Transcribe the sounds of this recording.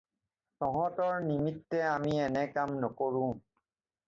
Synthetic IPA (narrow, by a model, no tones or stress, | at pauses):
tɔɦɔtɔɹnimitːɛamiɛnɛkamnɔkoɹũ